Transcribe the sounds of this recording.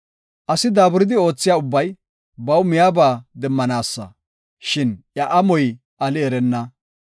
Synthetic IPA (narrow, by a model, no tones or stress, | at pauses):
ʔɐsɪd̪aːbʊɾɪd̪ɪo̞ːt͡sːɪjaːʊbːɐj | bɐwmɪjaːbaːd̪ɛmːɐnaːsːɐ̰ | ʃɪnjɐʔɐmɔj | ʔɐlɪɛɾɛnːɐ